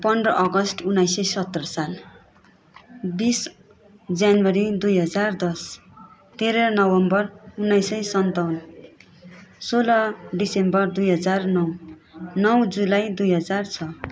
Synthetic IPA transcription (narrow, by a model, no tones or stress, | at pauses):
pʌnd̪rʌʔʌɡʌsʈunːajsʌjsʌt̪ːrʌsal | bis | d͡zjanwʌɾid̪ujɦʌd͡zard̪ʌs | t̪eɾʌɾnʌwʌmbʌrunːajsʌjsʌnt̪awn | solʌɖisembʌrd̪ujɦʌd͡zarnʌwnʌwd͡zulajd̪ujɦʌd͡zart͡sʰʌ